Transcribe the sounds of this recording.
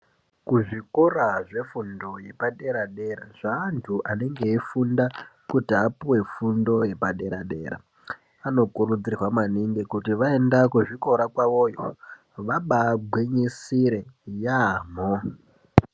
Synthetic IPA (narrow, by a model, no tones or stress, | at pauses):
kuʐikoraʐe̞fundo̞je̞paɗe̞ɾaɗe̞ɾaʐ̥aːntʰuʔane̞ŋɡeifundakutiapuwe̞fundo̞je̞paɗe̞ɾaɗe̞̰ːɾa̰ | ano̞kurud͡zirwamaniŋɡekutiʋae̞ndakuʐiko̞ɾakwaʋo̞ːjo̰ | ʋaɓaɡʱweɲisiɾe̞jamo